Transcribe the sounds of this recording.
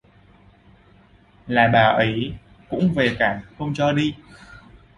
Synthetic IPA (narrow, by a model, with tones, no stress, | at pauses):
laː˨˩ɓaː˨˩ʔə˨˦j | kʊ̰˧˥ŋ͡mve˨˩kaː˧˩nxə˧wŋ͡mt͡ɕɔ˧ɗi˧